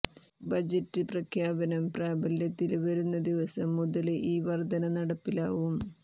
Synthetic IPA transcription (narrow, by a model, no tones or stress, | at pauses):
bɐd͡ʑɐtːɨprɐkʰjaːbɐnɐmpraːbɐljɐt̪ːilʋɐɾunːɐd̪iʋɐsɐmːuðɐleʔiːʋɐrd̪ʱɐnɐnɐɽɐpːilaːʋum